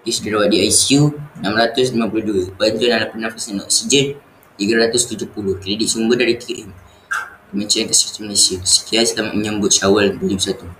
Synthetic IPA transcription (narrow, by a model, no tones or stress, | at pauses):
kisudiɾawaʔ̚diajsiunamɾat̪ʊslimapuluhduəbaɲd͡ʒʊnalapənafasanɔ̰ʔsid͡ʒɛn̚ | t̪iɡaɾat̪ʊst̪ud͡ʒʊhpulʊhkɾediʔ̚sumbədaɾit̪ikiʔim | kəmiɲt͡ʃankasi̥fi̥t̪imnasiusə̥kiansət̪amaʔməɲəmbʊt̪̚ʃawəlbulibəsat̪u